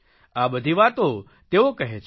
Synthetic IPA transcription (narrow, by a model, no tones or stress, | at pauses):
abəd̪ʱiʋat̪o | t̪eokəɦet͡ʃʰ